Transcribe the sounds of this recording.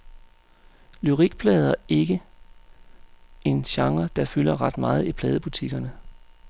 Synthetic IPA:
lyʁiɡ̥̚pʰlɛːð̞ˠɐe̝ɡ̥ə | e̝nɕɑ̈ŋɐd̥ɑ̈fylɐʁɑ̈d̥mɑ̈ːð̞̩ˠipʰlɛːð̞ˠəb̥ut͡sʰiɡ̥ɐnə

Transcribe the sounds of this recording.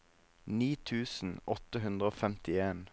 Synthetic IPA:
niːt̪ʰʉːsn̩ɔt̪əɦʉnd̪ʁəoːfɛmt̪ɪeːn

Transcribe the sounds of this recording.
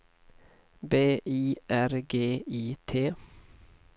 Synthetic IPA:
beːʔiːʔæɾɡeːiːt̪ʰeː

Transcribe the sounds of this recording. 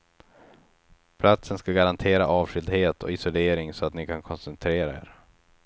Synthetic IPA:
pʰlat̪sənskaɡaɾant̪ʰeːɾaʔɑːvɧʏld̪heːt̪ʰɔɪsʊleːɾɪŋsɔat̪nɪkʰankʰɔnsɛnt̪ʰɾeːɾaḛːɾ

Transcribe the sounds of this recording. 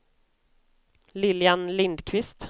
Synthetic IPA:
lɪljanlɪnd̪kʰvɪst̪

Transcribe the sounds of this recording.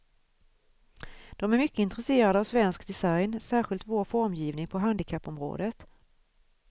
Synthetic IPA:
d̪̥ɔmæɾmʏkːəɪnt̪ɾɛseːɾad̪əavsvɛnskd̪ɛsajnsæːɾɧɪlt̪voːɾfɔɾmjiːvnɪŋpʰɔɦand̪ɪkʰapːɔmɾo̰ːd̪ət̪

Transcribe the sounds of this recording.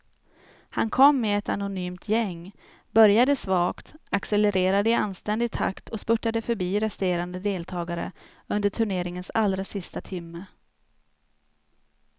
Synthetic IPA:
hankʰɔmːɛɛt̪anʊnyːmt̪ʰjɛŋː | bœɾjad̪əsvɑːkt̪aksɛlɛɾʔeːɾad̪əɪanst̪ɛnd̪ɪɡ̚t̪ʰːa̰kt̪ʰɔspɵʈːad̪əfœɾbiːɾɛst̪eːɾand̪əd̪eːlt̪ʰɑːɡaɾə̰ | ɵnd̪əʈʰɵɳeːɾɪŋənsalːɾasɪst̪at̪ʰɪmːə

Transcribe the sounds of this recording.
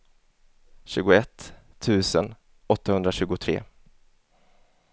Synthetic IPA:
ɕʉ̟ːɡʊɛt̪ʰː | ʉ̟ːsən | ɔt̪ːahɵnd̪ɾaɕʉ̟ːɡʊt̪ʰɾḛː

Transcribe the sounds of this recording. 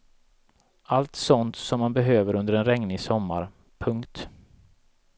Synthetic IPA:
ʔalt̪sɔnt̪sɔmːanbɛɦøːvəɾɵnd̪əɾɛnɾɛŋnɪsɔmːa̰ɾ | pʰɵŋkt̪

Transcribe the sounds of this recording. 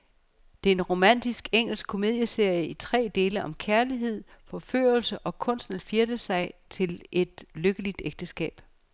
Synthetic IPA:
d̥eenʁo̝mæn̰d̥isɡ̥eŋ̰̥l̩sɡ̥̚kʰo̝me̝ðˠjəse̝ɐ̰jəit͡sʰʁɛ̰ːd̥e̝ːləʔɒ̽mkʰæɐliɦe̝ð̞̰ˠfɒ̽fø̰ːɐlsəʔɒ̽kʰɔ̽n̰sd̥nlfiɐd̥əsɑ̈ɪt͡sʰe̝lʔe̝d̥løɡ̥əlid̥eɡ̥̚d̥əsɡ̥ɛ̰ːb̥

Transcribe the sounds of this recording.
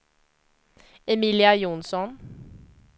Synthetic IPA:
ɛmiːlɪɑjʊnsɔn

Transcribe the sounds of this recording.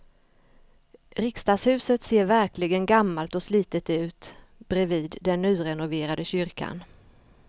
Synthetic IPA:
ɾɪkst̪ɑːshʉ̟ːsət̪seːɾvæɾklɪɡənɡamːalt̪ɔsliːt̪ət̪ʉ̟ːt̪ | b̥ɾɛviːd̪ːɛnːʉ̟ːɾɛnʊveːɾad̪əɕʏɾkʰa̰n

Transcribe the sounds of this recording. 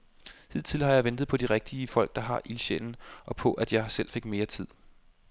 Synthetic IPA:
hið̞̰ˠt͡sʰilhɑ̈jɑ̈ɪʋend̥ð̞̩ˠpʰɒ̽d̥iʁɛɡ̥̚d̥iəfɒ̽l̰ɡ̥̚d̥ɑ̈ɦɑ̈ʔilɕḛln̩ʔɒ̽pʰɒ̽ʔæd̥jɑ̈ɪsel̰fe̝ɡ̥me̝ːɐt͡sʰið̰ˠ

